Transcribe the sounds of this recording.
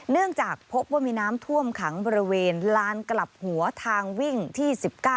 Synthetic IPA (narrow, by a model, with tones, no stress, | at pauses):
nɯ˥˩əŋt͡ɕaː˨˩k̚pʰo˦˥p̚waː˥˩miː˧naː˦˥mt̪ʰu˥˩əmkʰa˩˦ŋbɔː˧ɾi˧weː˧nlaː˦˥nkla˨˩p̚hu˩˦ɐt̪ʰaː˧ŋwi˥˩ŋt̪ʰiː˥˩si˨˩p̚kaː˥˩